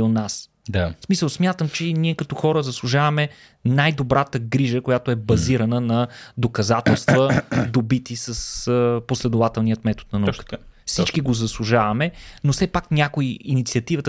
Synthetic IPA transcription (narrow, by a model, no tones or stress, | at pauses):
onas | d̪smisəlˠsmʲjat̪əmt͡ʃɛniɛkɐt̪ɔxɔɾəzɐslˠuʒavɐmɛ | najd̪obɾat̪əɡɾiʒəkojat̪oɛbɐziɾɐnənɐd̪okɐzat̪ɛlˠst̪vəd̪obit̪isəsposlɛd̪ovat̪ɛlˠniət̪mɛt̪o̥t̪̚nɐnɐukə̥t̪fsit͡ʃkiɡozɐslˠuʒavɐmɛnosɛpaknʲakoiinit̪siɐt̪ivət̪ə